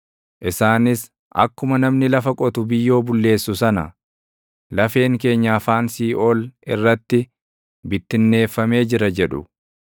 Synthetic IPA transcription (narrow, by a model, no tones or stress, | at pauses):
ʔɪsaːnɪs | ʔɐ̰kːʊmɐnɐmnɪlɐfɐkʼɔt̪ʊbɪjːo̞ːbʊlːe̞ːsːʊsɐnɐ̰ | lɐfe̞ːŋke̞ːɲːafaːnsiːʔoːlɪrːɐt̪ːɪ | bɪt̪ːɪnːe̞ːfːɐme̞ːd͡ʒɪɾɐd͡ʒɛᶑʊ̰